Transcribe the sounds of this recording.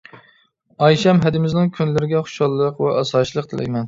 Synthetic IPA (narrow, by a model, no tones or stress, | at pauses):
ɑjʃɛmɦæd̪ɪmɪznɪŋkʲʰynlɪɾɪɡʲɛχʊ̥ʃɑlˠːəqwɛʔɑsɑːʃlˠəq̚t̪ʰɨlʔɛ̰jmɛn